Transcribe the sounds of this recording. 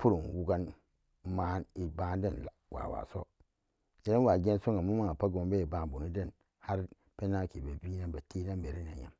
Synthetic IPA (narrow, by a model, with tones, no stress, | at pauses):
pu˦ɾu˨nwu˦ɡa˦n | ma˦ni˨ba˦n˦de˦˨nla̰˨wa̰˨wa̰˨so̰˦ | ke˨ne˦wa˨ɡe˦n˦so˦ŋɡa˨mu˦ma˦ŋa˨pa˦ɡo˨mbe˦i˨ba˨bu˨nu˦de˦˨n | ha˦ɾ | pe˦na˦˨ke˨ba˨bi˦na˦ba˨te˦na˦nbe˨ɾi˦na˨ja̰˨m